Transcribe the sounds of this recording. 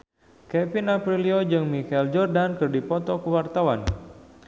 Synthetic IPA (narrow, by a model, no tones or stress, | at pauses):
kɛfinapɾiliod͡ʒɨŋmikɛld͡ʒɔrdankɨrdipɔt̪ɔkəwart̪awan